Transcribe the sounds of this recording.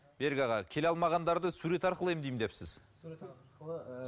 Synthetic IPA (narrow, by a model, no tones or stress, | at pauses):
be̞ɾɡʲɑʁɑkʲʰe̞leɑlˠmɑʁɑnd̪ɑɾd̪əsuɾe̞t̪ɑɾqəlˠəemd̪ejmd̪e̞psɪz